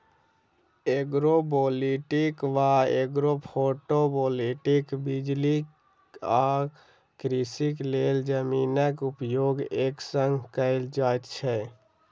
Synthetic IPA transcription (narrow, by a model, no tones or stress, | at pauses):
eɡɾoboːliʈikʋaeɡɾopʰoʈoboːliʈikbid͡ʒli | a | kɾisikleːld͡ʒəmiːnəkupjoːɡeːksə̃ŋɡkəɪld͡ʒaːjt̪t͡ʃʰɛ